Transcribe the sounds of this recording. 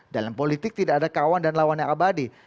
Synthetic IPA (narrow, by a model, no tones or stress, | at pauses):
dalampolit̪ɪk̚t̪idaʔːdakawandanlawanɲaabadi